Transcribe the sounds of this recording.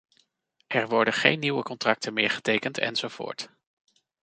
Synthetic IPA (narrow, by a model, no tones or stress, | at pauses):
ʔɛɹʋɔɹdəχejnːiwəkɔntrɑk̚təmɪːɹχə̥tejkəntʰɛ̰nz̥owvʊ̰ːɹt